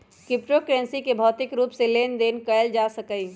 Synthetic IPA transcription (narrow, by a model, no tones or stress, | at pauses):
kɪpʈokɾensikebʱɔt̪ɪkɾuːpsẽlend̪enkəəld͡ʒasəkəɪ